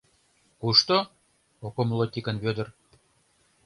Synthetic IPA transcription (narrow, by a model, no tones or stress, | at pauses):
kuʃt̪o | okomlˠot̪ʲikə̆nβød̪ə̆r